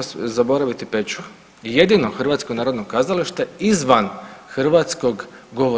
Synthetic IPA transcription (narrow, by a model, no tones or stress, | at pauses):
zabo̞ɾaʋit̪ipet͡ʃu | je̞d̪ino̞xrʋat̪skonaːɾo̞d̪nokazaliʃt̪eizʋanxr̩ʋat̪sko̞ɡɡo̞ʋo